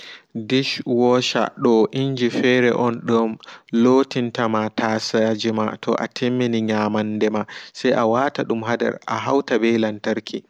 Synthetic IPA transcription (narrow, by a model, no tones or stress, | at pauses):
diʃwɔʃa̰ɗɔʔiɲd͡ʒifɛɾɛ̰ʔɔnɗɔmloːtintamatasad͡ʒima̰tʰɔ̰ʔa̰tʰimːiniɲaːmandɛmasɛjʔawataɗumɦadɛ̰ɾʔa̰ɦawtabɛlantaɾkʰi